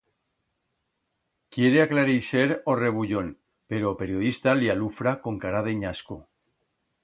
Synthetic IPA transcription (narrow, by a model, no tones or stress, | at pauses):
kje̞ɾeaklaɾiseɾore̞β̞uʎo̞n | pe̞ɾope̞ɾjoðist̪alialufɾako̞ŋkaɾaðeɲasku